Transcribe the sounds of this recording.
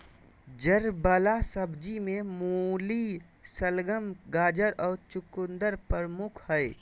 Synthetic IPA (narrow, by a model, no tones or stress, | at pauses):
d͡ʒəɾbəlasəbd͡ʒimẽmuli | səlɡəmɡaːd͡ʒəɾɔːɾt͡ʃʊkʊnd̪əɾpəɾmʊkʰhəe